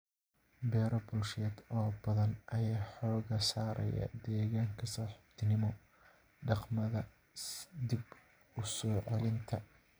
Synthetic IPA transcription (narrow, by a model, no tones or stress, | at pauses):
bɛːɾɐbʊlʃɛːd̪ɔːbɐðɐnʔɐjaːħɔːɣɐsaːɾɐ̰jɐ̰d̪ɛːɣaːŋkʰɐsaːħɪb̥t̪ʰnɪmɔ | ɖɑqmɐðɐ | d̪ɪb | ʊsɔːʕɑlɪnt̪ʰɐ